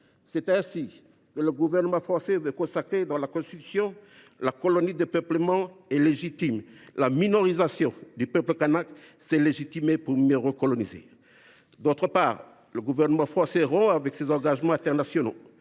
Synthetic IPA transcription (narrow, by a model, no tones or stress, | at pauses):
sɛt̪ɛ̃si | kələɡuvɛʁnəmɑ̃fχɑ̃sɛvøkɔ̃sakχed̪ɑ̃lakɔ̃st̪it̪y̥sjɔ̃ | lakɔlɔnid̪epœpləmɑ̃ɛleʒit̪imlaminɔʁizasjɔ̃d̪ypœpləkanaksɛleʒit̪imepuʁmjøʁəkɔlɔnizḛ | d̪ot̪χəpaːʁ | ləɡuvɛʁnəmɑ̃fχɑ̃sɛʁɔ̃avɛksezɑ̃ɡaʒmɑ̃ɛ̃t̪ɛʁnasjɔno̰